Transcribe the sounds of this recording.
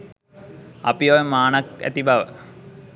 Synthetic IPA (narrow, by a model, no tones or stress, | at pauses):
ɐpijojemaːnɐkæ̰t̪ibʱaʋə̰